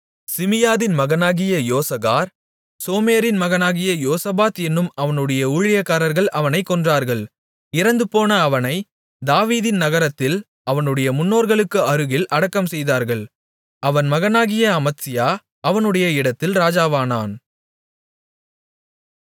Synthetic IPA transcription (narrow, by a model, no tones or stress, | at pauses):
sɪmɪjaːðɪnmɐɣɐnaːɣɪjɐjoːsɐɣaːɾ | soːmeːɾɪnmɐɣɐnaːɣɪjɐjoːsɐbaːt̪ɛnːɯmɐʋɐnɯɽɐjɐʊɻɪjɐkːaːɾɐɾɣɐɭɐʋɐnɐɪkːɔndraːɾɣɐɭ | ɪɾɐnd̪ɯpoːnɐːʋɐnɐɪ | d̪aːʋiːðɪnnɐɣɐɾɐt̪ːɪl | ɐʋɐnɯɽɐjɐmʊnːoːɾɣɐɭɯkːɯɐɾɯɣɪlʔɐɽɐkːɐmsɛjðaːɾɣɐɭ | ɐʋɐnmɐɣɐnaːɣɪjɐɐmɐt̪sɪjaː | ɐʋɐnɯɽɐjɐɪɽɐt̪ːɪlɾaːd͡ʒaːʋaːnaːn